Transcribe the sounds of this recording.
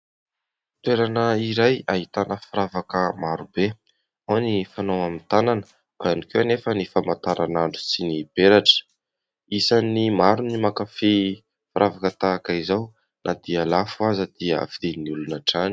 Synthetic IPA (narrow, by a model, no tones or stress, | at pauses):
t̪weɾanəiɾajaɦit̪anəfaɾavakəmaɾube | anifanowamint̪ananə̥ | banikewanefənifamat̪aɾʔanaɳɖ͡ʐusinib̥eɾaʈ͡ʂə̥ | isanimaɾunimakafi | faɾʔavakət̪aːkaizaw | nʔad̪ialafuazəd̪̥iə̰fid̪̥iniulunaʈ͡ʂani̥